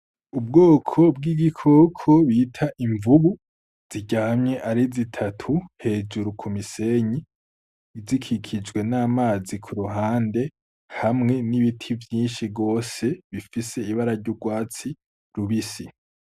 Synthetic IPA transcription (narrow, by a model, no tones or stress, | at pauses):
ubɡoːkʰo̞bɡiːɡikʰoːkʰo̞βitʰaʔiɱvuβu | z̥iɟahamɲe̞ʔaɾizitʰatʰuhe̞ːd͡ʒuɾukʰumise̞ɲi | zikʰikʰid͡ʒɡwe̞naːmaːzikʰuɾuɦaːnde̞ | hamŋe̞niβitʰivjiːnʃibɡo̞ːse̞βifise̞iβaɾaɾɟuɡwaːt͡si | ɾuβisi